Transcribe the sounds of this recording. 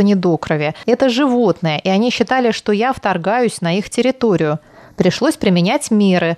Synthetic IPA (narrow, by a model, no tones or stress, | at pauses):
ənʲɪd̪okɾəvʲɪɛt̪əʐɨvo̞t̪nɨjəʔɪɐnʲiɕːɪt̪alʲɪʂt̪o̞jaft̪ɐrɡajʊsʲnɐixtʲɪɾʲɪt̪o̞ɾʲɪjʊ | pɾʲɪʂlˠo̞sʲpɾʲɪmʲɪnʲætʲmʲeɾɨ